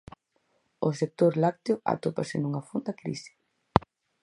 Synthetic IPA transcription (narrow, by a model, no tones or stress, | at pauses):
ʊsek̚t̪oɾlak̚t̪eʊa̰t̪opasɪnuŋafond̪akɾḭsi̥